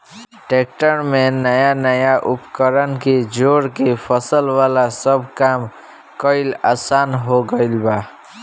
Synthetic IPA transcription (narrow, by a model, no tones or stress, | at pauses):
ʈek̚ʈəɾmẽnəjanəjaʔʊpkəɾənked͡ʒoːɽkepʰəsəlʋalasəbkam | kəɪlaːsaːnɦoɡəɪlbaː